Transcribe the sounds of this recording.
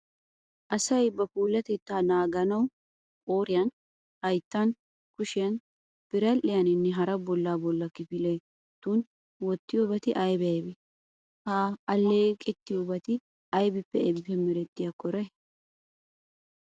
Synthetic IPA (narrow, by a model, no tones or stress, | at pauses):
ʔɐsɐjbɐpuːlːɐt̪ɛt̪ːaːnaːɡɐnɐw | oːɾɪjɐn | hɐjt̪ːɐn | kʊʃɪjɐn | b̥ɪɾɐlʔɪjɐnɪnːɛɦɐɾɐbɔlːaːbɔlːɐkɪfɪle | t̪ːuːn | wɔt̪ːɪjoːbɐt̪ɪʔɐjbɐjbɪ | haːlːeːkʼɛt̪ːɪjobɐt̪ɪ | ɐjbɪpːɛɛbɪpɛmɪɾɛt̪ːɪjɐkɔɾɐ